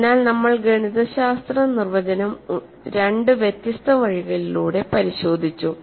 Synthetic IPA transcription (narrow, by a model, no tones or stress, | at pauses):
naːlnɐmːɐɭɡeɳiðɐɕaːst̪rɐnirʋɐd͡ʑɐnɐm | ɾe̞ɳɖɨʋjet̪ːjɐst̪ɐʋɐɻiɣɐɭiluːɽe̞pɐɾiɕo̞ːd̪ʱit͡ɕːu